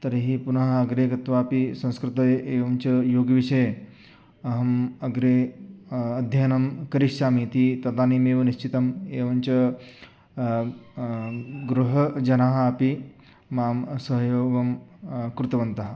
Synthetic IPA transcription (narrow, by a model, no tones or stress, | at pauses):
t̪ɐɾiɦipunɐɦɐɐɡɾeːkɾɐt̪ʋaːpisɐ̃skɾut̪ɐjeːʋɐmt͡ʃɐjoːɡʋiʂɐje | ɐɦɐmɐɡɾeː | ɐd̪ʱjɐnɐmkɐɾiʂʃaːmit̪it̪ɐd̪aːnimeːʋɐniʃt͡ʃit̪ɐmeːʋɐnt͡ʃɐ | ɡɾuɦɐd͡ʒɐnaɦɐɐpi | maːmsɐɦɐjoːɡɐmkɾut̪ɐʋɐnt̪ɐɦɐ̆